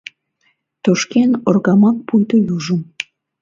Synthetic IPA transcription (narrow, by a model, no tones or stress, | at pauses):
t̪oʃkenorɣɑmɑk̚pujt̪ojuʒəm